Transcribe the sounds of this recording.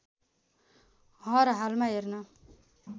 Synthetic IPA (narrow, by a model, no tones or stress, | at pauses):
ɦʌɾɦalmaɦernʌ